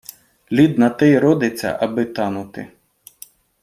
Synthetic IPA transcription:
lʲid̪nɐt̪ɛjɾɔd̪ɪt͡sʲːɐ̰ʔɐbɪt̪ɑnʊt̪ɪ̰

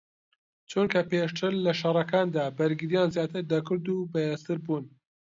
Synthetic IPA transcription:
t͡ʃʰunkʰɐpeʃt̪ʰɨɾlɐʃɐrˤɐkaːnd̪aːbɐɾɡɨɾijaːnzjaːt̪ʰɨɾd̪ɐkɨɾd̪ubɐjest̪ɨɾbuːn

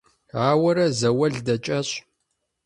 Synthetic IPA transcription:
aːwɐɾɐzɐwɐɮdɐt͡ʃʼɐɕʼ

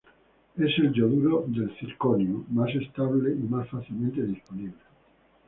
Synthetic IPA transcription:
ese̞lʝoðuɾoðe̞lθilkonjumasest̪aβ̞leimasfaθilmẽnt̪eðisponiβle

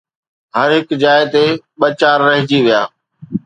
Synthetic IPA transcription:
ɦɐɾɦɪkd͡ʑaːɪt̪eɓɐt͡ɕaːɾːɐɦɪd͡ʑiʋijaː

